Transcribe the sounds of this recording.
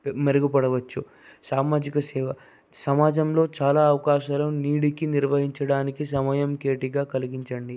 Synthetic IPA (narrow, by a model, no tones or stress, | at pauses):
meɾɐɡupɐɽɐʋɐt͡ʃːu | saːmaːd͡ʒikɐsɛːʋɐ | sɐmaːd͡ʒɐmlo̞ːt͡ʃaːlaːɐʋɐkaːʃaːlɐniːɽikiniɾʋɐɦiɲt͡ʃɐɽaːnikisɐmɐjɐmkeːʈiɡaːkɐliɡiɲt͡ʃɐɳɖi